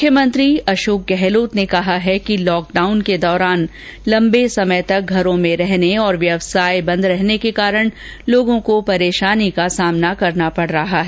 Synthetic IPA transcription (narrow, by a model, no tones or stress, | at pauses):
mʊkʰjəmə̃nt̪ɾiɐʃoːk̚ɡɛɦloːt̪nekɐɦaɦɛkilɔːk̚ɖaːʊnked̪ɔːɾaːn | lɐ̃mbesɐmət̪ɐk̚ɡʱɐɾõmẽɾɛɦneɔːɾʋjɐʋsaːjbɐ̃nd̪ɾɛɦnekekaːɾəɽ̃ | loːɡõkopɐɾeːʃaːnikasaːmnakɐɾnapɐɽ̤ɾɐɦaɦɛː